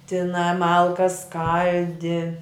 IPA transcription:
tʲɪˈnɑː ˈmɐlˠkɐs ˈskɐlʲdʲɪ

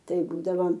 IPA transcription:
ˈtɐɪ ˈbuːdɐʋoːm

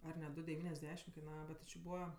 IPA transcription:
ɐr nʲɛ ˈdʊ dʲɛʋʲiːnʲɛzʲˈdʲæːʃʲɪm kɐɪˈnɑːʋɐ bʲɛt tʲɪ t͡ʃʲɪ ˈbuːʋɐ

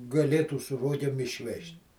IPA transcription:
ɡɐˈlʲeːtuː sʊ ˈroːɡʲeːm ɪʃʲˈʋʲɛʃʲtʲ

